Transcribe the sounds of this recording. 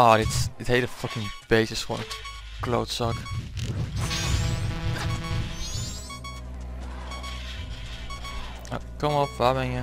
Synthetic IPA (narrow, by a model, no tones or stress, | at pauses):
ʔɔːdɪtd̥ɪtɦeləfʌkɪŋb̥eːsɪsfɔ̰nət | klo̰wtsɑk | a̰kɔməɔpʋaːbɛnjə